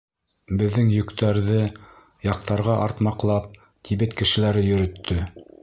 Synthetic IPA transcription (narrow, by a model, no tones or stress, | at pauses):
bɘ̆ðːɘŋjɵ̆kt̪æɾðɘ | jɑqt̪ɑɾʁɑʔɑɾt̪mɑqlˠɑp̚ | t̪ʰiβɘt̪kɘ̆ʃɘ̆læɾɘjɵ̆ɾɵ̆t̪ʰːɵ